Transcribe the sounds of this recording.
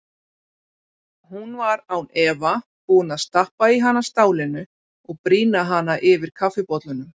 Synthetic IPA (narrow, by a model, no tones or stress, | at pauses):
hunvaɾawnɛːva | puːnaðst̪ahpaiɦanːast̪aːwlɪnʏ | ɔɣpɾiːnaɦanːaʔɪvɪɾ̥kʰafɪpɔt̪lʏnʏm